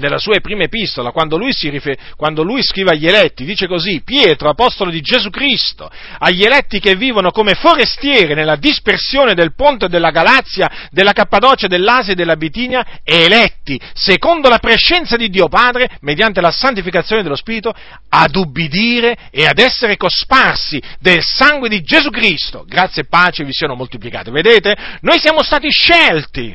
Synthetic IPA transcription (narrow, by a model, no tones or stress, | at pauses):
nelːasuːapɾiːmaepist̪olakwand̪olujsirifekwand̪olujskɾiːveaʎːelɛt̪ːid̪iːt͡ʃekozipːjɛːt̪ɾoapɔst̪olod̪id͡ʒezukɾist̪o̰ | aʎːelɛt̪ːikevːiːvonokomefoɾest̪jɛːɾinelːad̪ispersjoːned̪elpont̪ed̪ːelːaɡalat̪sːjad̪elːakapːad̪ɔːt͡ʃed̪elːaːzjad̪elːabit̪iːnjaɛːlɛt̪ːisekond̪olapɾeʃːɛnt̪sad̪id̪ːiːopaːd̪ɾemed̪jant̪elasant̪̬ifikat̪sːjoːned̪elːospiːɾit̪o | ad̪ubːid̪iːɾe | ead̪ɛsːeɾekosparsid̪elsaŋɡwed̪id͡ʒezukɾist̪o̰ɡɾat̪sːjeepːaːt͡ʃevisionomolt̪iplika̰ːt̪eved̪eːt̪enojsjaːmost̪aːt̪iʃːɛlt̪ḭ